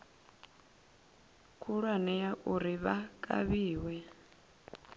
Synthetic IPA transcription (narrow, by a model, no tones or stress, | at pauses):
kʰuɺwanɛjaʔuɾiβakʼa̰βiːwɛ